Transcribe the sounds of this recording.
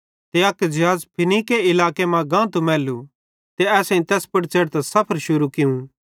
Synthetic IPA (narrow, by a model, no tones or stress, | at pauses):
t̪eɐkd͡ʒeɦaːzpʰɪnikeɪlaːkemãɡãːt̪umɛːlu | t̪eɛːsẽĩt̪ɛːspɐɽt͡ʃɐɽt̪asɐpʰəɾʃʊɾukɪũ